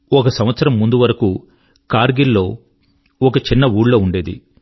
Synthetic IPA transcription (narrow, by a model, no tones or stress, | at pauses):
ɔkɐsɐmʋɐt̪sɐɾɐmːund̪uʋɐɾɐku | kaːɾɡilːo̞ː | ɔkɐt͡ʃinːɐuːɽlo̞ːuɳɖe̞ːd̪ḭ